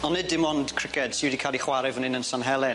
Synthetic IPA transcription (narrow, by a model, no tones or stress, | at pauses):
ɔnːɪdɪmɔnd̥kʰr̥ɪkɛd̥siwɪdikʰalˠiχwaɾɪvənɪnənsanɦɛlˠɛ